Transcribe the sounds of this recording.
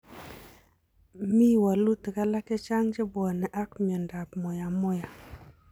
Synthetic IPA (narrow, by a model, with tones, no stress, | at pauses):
mi˦wa˨lu˦t̪ka˨la˦ke˦t͡ʃa˦ŋd͡ʒɪ˦bwɔ˨nɛ˨ʔa˦kmɪ˨ɔ˨nda˨pmʊ˨ja˨mʊ˦ja˨